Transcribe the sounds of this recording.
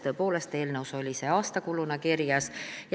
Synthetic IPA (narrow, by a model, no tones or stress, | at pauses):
t̪ø̞ːpo̞ːle̞st̪e̞ːlnəwso̞lʲise̞ɑːst̪ɑkulunɑkirjɑsj